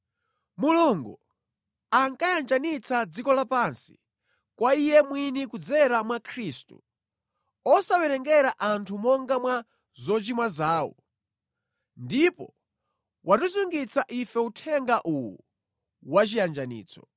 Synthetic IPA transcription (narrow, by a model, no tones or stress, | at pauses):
muluŋɡu | aŋkajand͡ʒanit͡sad͡zikɔlapansi̥ | kwaijɛmwinikud͡zɛɾamwakʰɾiːstṵ | ɔsawɛɾɛŋɡɛɾaʔantʰumɔŋɡamwa | zɔt͡ʃimwazaːwɔ̰ | ndipɔ | wʔatuzuŋɡit͡saʔifɛutʰɛŋɡaʔuwṵ | wat͡ʃijand͡ʒanḭːt͡sɔ̥̰